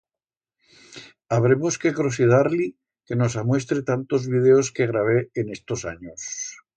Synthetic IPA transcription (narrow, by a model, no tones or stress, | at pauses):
aβ̞ɾe̞mo̞ske̞kɾos̬iðaɾli | ke̞no̞samwe̞st̪ɾet̪ant̪o̞zβið̞eoske̞ɣɾaβ̞eːne̞st̪o̞sa̰ɲos